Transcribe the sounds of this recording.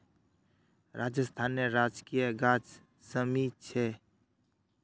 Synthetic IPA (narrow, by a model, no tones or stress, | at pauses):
ɾʔaːd͡ʒəst̪ʰaːnːeɾaːd͡ʒkijəɡaːd͡ʒ | səmit͡ʃʰe